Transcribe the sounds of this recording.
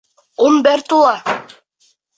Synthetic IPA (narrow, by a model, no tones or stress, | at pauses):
umbæɾt̪ulˠɑ